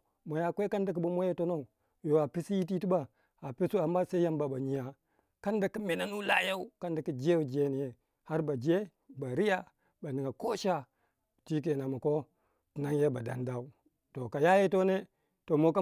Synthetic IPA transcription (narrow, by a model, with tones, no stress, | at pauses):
mo˨ja˨kʷe˦ka˦nda˨k̬u˦bo˦mo˦je˦to˦no˦u˨ | jo˨a˨pi˦si˦ji˦t̬i˦ti˦ba˨ | a˨pe˦su˦a˨mːa˦sa˦ja˦mba˨ba˨ɲi˦ja˨ | ka˦nda˨ki˦me˨na˦nu˦la̰˦ja˦u˦ka˦nda˨ki˨d͡ʒe˦wu˨d͡ʒe˦ni˨je˨ | ha˦ɾba˨d͡ʒe˦ | ba˨ɾi˦ja˦˨ | ba˨ni˨ŋɡa˨ko˦ʃa˦˨ | ti˦k̬e˨na˨ma˨ko˦ | ti˨na˦ŋje˦ba˨da̰˨˦nda˦u˦ | to˨ka˨ja˦je˦to˦ne˦ | to˨mo˦k̬a˦